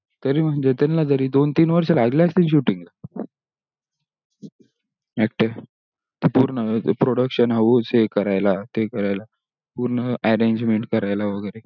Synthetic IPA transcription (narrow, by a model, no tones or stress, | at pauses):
t̪əɾiːm̤əɳd͡ʑet̪anlad͡zəɾiːd̪ont̪iːnʋəɾɕelaɡljast̪iɕuʈiŋɡla | ek̚ʈe | t̪ipuːɾnəpɾoɽəkɕənaʋut͡sekəɾajlat̪ekəɾajla | puɾnəɛɾeɲd͡ʑmeɳʈ̚kəɾajlaʋəɡəjɾe